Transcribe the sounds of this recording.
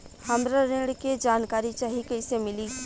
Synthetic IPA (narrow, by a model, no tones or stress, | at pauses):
hɐmɾaɾɪ̃ɽked͡ʒaːnkaːɾit͡ʃaːɦikeɪsemɪli